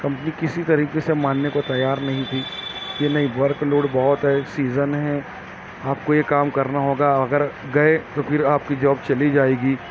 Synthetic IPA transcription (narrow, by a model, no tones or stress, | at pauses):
kɐ̃mpənikɪsit̪ɐɾiːqesemaːnːekot̪ɐjaːɾnɐɦĩt̪ʰiːjenɐɦĩʋɐɾkloːɽbɐɦʊt̪ɦɛsiːzənɦɛ | aːp̚kojekaːmkɐɾnaɦoːɡaɐɡəɾɡɐet̪opʰɪɾaːp̚kid͡ʒɔːb̚t͡ʃɐlid͡ʒaːeːɡiː